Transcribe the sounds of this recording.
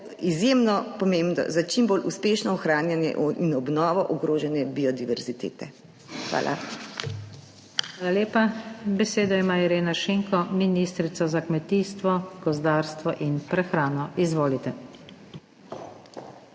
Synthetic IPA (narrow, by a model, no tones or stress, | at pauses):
izjemnɔpɔmeːmbnɔ̰zat͡ʃimboːlʔuspeːʃnɔɔxɾaːnjanjɛ̰ʔinɔbnɔːʋɔʔɔɡɾoːʒɛnjɛbiɔd̪iʋɛɾzit̪ḛːt̪ɛ | xʋa̰ːlʔa̰ | xʋaːlaljeːpabɛseːd̪ɔimaiɾeːnaʃeːŋkɔminist̪ɾit̪sɔzakmɛt̪iːst̪ʋɔɡ̥ɔzd̪aːɾst̪ʋɔʔinpɾɛxɾaːnɔʔizʋoːlit̪ɛ